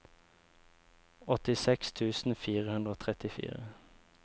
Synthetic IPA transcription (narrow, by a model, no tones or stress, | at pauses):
ɔt̪ɪsɛkst̪ʰʉːsn̩fiːʁəhʉnd̪ʁoːt̪ʰʁɛt̪ɪfḭːʁə